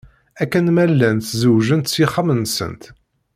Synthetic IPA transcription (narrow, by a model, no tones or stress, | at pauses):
ækːænmælːænt̪zəwʒənt̪siχəmənsə̰nt̪